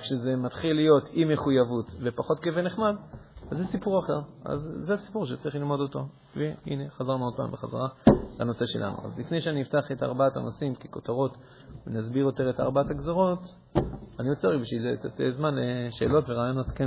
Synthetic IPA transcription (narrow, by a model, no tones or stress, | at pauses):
kʃeze̞matχilːijo̞timeχujavutvepaχo̞t̚keveneχmadazːesipuʁaχe̞ʁa̰zːeasi̥puʁʃ̬et͡saʁiχlilmo̞do̞to̞ | veḭne̞χazaʁnuod̚pa̰mbeχaza̰ʁala̰no̞se̞ʃe̞̰lʔa̰nṵa̰zlifne̞jʃeaniiftaχeta̰ʁbaatanosimkeko̞taʁo̞t | venazbiʁjo̞t̪e̞ʁeta̰ʁbaataɡzoʁo̞t | aniot͡seʁaɡbiʃiletatezmanleʃe̞̰ːlo̞tveʁaːjonaske